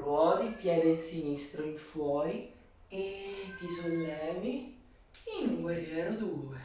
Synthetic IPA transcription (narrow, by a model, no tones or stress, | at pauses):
ɾwɔːt̪ipjɛːd̪ensinist̪ɾoimfwɔːɾi | ed̪izoɲːɛːmi | inuŋweɾiɛːɾʊd̪uːe